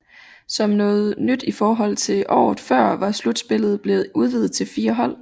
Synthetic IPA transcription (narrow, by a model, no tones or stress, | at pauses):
sɒ̽mnɔ̽ːð̞̩ˠnyd̥ifɒːɦɒ̽l̰t͡sʰe̝ʔɒ̰ːð̩ˠfɶɐ̰ʋɑ̈slud̥sb̥e̝lð̞̩ˠb̥le̝ːð̩ˠuð̞ˠʋið̩ˠt͡sʰe̝lfiːɐɦɒ̽l̰